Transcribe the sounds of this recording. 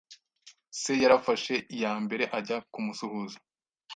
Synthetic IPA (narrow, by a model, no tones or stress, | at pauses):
se̞jaɾafaʃe̞ijaːmbe̞ɾe̞ʔaɟakumusuhuzḁ